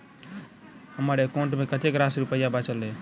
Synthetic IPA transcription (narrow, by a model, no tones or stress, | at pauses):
həməɾekõɳʈmekət̪ekɾasɾupəjabat͡ʃəlːe